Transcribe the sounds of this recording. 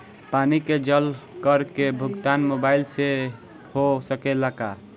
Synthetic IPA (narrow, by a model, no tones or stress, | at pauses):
paniked͡ʒəlkəɾkebʱʊɡt̪anmobailse | hosəkelaka